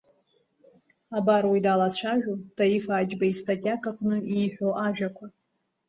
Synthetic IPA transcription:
abarwidalat͡ɕʷʰaʒᶣutʰajifaːd͡ʒbaistʰʼatʲʼakʼaqʼnɨiːħᶣʷoʔaʒᶣakʷʰa

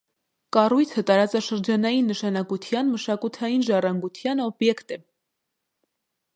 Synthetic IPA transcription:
kɑrujt͡sʰət̪ɑɾɑt͡sɑʃəɾd͡ʒɑnɑjinːəʃɑnɑkut̪ʰjɑnməʃɑkut̪ʰɑjinʒɑrɑŋɡut̪ʰjɑnɔbjɛkt̪ɛ

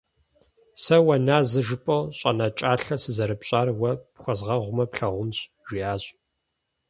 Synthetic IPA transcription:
sɐwɐnaːzɨʒɨpʼɐwɕʼɐnat͡ʃʼaːɬɐsɨzɐɾɨpɕʼaːrwɐpxʷɐzʁɐʁʷʊmɐpɬɐʁʷʊnɕʼ | ʒiaːɕʼ

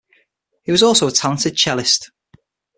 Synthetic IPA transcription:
hiwɒzɔˑlˠsoʊətʰalə̃ntɪd̚t͡ʃʰɛlɪst

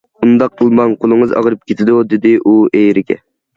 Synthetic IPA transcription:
und̪ɑq̚t̪ʰɨlˠmɑnqʰolˠɨŋəzɑ̰ʁɾɨp̚kʲʰet̪ʰɪd̪ud̪ɪd̪ɪʔuʔejɾɪɡʲɛ̰

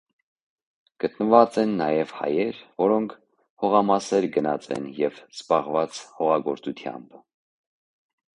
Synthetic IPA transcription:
ɡ̥ət̪nəvɑt͡sɛnːɑjɛvhɑ̰jɛɾvɔɾɔŋkʰ | hɔʁɑmɑsɛɾɡənɑ̰t͡sɛ̰njɛvz̥bɑʁvɑt͡shɔʁɑɡɔɾt͡sut̪ʰjɑ̰mb

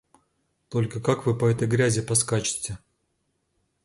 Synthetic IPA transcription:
t̪o̞lʲkəkakvɨpɐɛt̪əjɡɾʲæzʲɪpɐskat͡ɕɪ̥tʲɪ

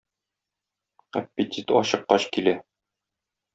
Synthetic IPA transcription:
æpʲːɪt̪ʲit̪ɒɕɤ̆qːɑɕkilæ

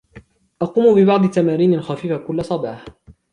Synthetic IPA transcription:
ʔɑquːmbɪbɑʕd̪ˤɨt̪ːamaːɾiːnalxafiːfakʊlːasˤɑbɑːħ

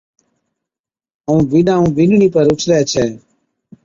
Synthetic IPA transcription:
ũːbinãːũːbɪnɳiːpəɾʊt͡ʃʰɾɛːt͡ʃʰɛː

